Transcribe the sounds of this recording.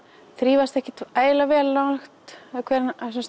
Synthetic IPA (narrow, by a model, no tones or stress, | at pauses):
θɾiːvast̪ɛhcɪt̪aːjlavɛːlːaxt̪ɛðakʰvɛːɾnss